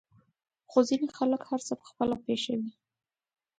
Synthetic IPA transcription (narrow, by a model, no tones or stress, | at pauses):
xozinexaləkhaɾt͡səpə̥xpəlapeʃawi